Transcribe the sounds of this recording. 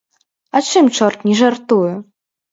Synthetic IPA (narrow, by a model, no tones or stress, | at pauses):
at͡ʂɨmt͡ʂɔrt̪nʲɛʐart̪uju